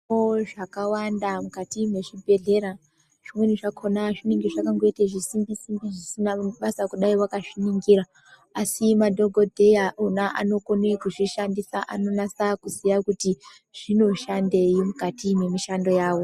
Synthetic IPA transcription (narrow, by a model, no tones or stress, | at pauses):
oʐakawandamukatimwe̞ʐibʱe̞ɮe̞ɾa | ʐ̥imweniʐakʰonaʐiniŋɡiʐakaŋɡeteʐisimbisimbiʐisinaɓasakuɗaiwakaʂiniŋɡiɾaː | simadʱo̞ɡʱo̞dʱejaʔunaʔa̰no̞ko̞nekuʐiʃandisaʔano̞nasakuzijakuti | ʐ̥ino̞ʃande̞imukatimwe̞miʃando̞jaːwo̞